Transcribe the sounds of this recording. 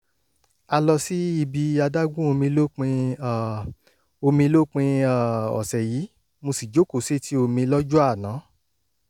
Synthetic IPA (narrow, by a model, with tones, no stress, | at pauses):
a˧lɔ˧si˦i˧bi˧a˧da˦ɡũ˦o˧mĩ˧lo˦k͡pĩ˧a˨ | o˧mĩ˧lo˦k͡pĩ˧a˨ɔ̰˨sɛ˨jiː˨˦ | mõ˧si˨d͡ʒo˨˦ko˨se˦tʰi˦o˧mĩ˧lɔ˦d͡ʒu˦a˦˨nã˨˦